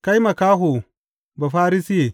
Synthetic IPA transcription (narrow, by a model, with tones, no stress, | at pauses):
ka˦jma˨kaː˦ɦo˨ | ba˨ɸaː˦ɾi˦si˦je˨